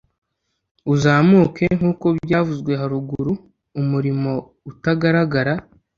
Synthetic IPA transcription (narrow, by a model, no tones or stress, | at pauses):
uzaːmuːke̞ŋ̥uːko̞bɟaːvuzɡwe̞ɦaɾuɡuɾu | umuɾimo̞ | utaɡaɾaɡaɾa